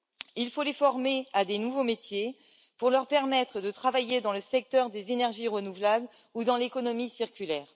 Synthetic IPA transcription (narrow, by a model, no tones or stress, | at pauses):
ilfolefɔʁmead̪enuvomet̪je | puʁlœʁpɛʁmɛt̪χəd̪ət̪χavajed̪ɑ̃ləsɛk̚t̪œʁd̪ezenɛʁʒiʁənuvlabl | ud̪ɑ̃lekɔnɔmisiʁkʲylɛːʁ